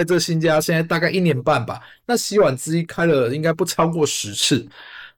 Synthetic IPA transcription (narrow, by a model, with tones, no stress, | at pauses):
ɪʈ͡ʂə˥˩ɡə˨˩ɕi˥nt͡ɕja˥˦ɕjnt͡sa˥˧ɪt̪a˥˧ka˥˧ɪi˥˩njɛ˨˧˥npa˥˩nba̰˩ | na˥˨ɕi˥wa˨˩nt͡sɹ̩˥˧i˥˩kʰa˥ɪlə˨i˥ŋka˥ɪpu˥˩t͡sʰɑ˥ʊkwɔ˥˩ʂɻ̩˧˦t͡s̩ʰ˥˩